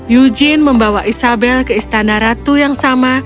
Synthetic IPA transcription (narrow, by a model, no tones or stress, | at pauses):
jud͡ʒinməmbawaʔisabɛlkəist̪anaɾat̪ujaŋsama